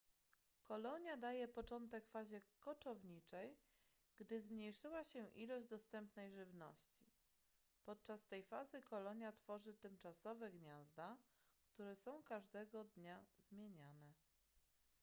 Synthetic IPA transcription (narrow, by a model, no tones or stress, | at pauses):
kɔlɔɲjad̪ajɛpɔt͡ʂɔnt̪ɛkfaʑɛkɔt͡ʂɔvɲit͡ʂɛj | ɡ̥d̪ɘzmɲejʂɘwaɕɛʔilɔʑd̪ɔst̪ɛmpnɛjʐɘvnɔ̰ɕt͡ɕi | pɔt̪̚t͡ʂast̪ɛjfazɘkɔlɔɲjat̪fɔʐɘt̪ɘmt͡ʂasɔvɛɡɲazd̪a | kt̪uɾɛsɔ̃w̃kaʐd̪ɛɡɔd̪ɲazmʲjeɲanɛ